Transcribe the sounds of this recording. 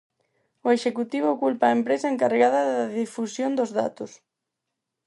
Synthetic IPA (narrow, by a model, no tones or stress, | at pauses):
oeʃekut̪iβ̞ʊkulpaːempɾesɐeŋkareɣaðɐðaðifusjond̪ʊzða̰t̪ʊs